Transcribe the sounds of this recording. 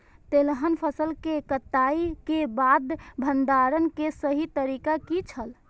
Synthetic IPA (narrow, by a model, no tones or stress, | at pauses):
t̪elɦənpʰəsəlkekət̪ːaikebad̪bʱənd̪aɾənkesəɦit̪əɾikakit͡ʃʰəl